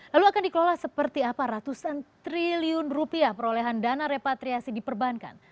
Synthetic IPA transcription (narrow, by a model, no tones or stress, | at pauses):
laluakandikəlolahsəpərt̪iapaɾat̪usant̪ɾiliʊnrupiahpəɾoleɦandanaɾepat̪ɾiasidipərbanka̰n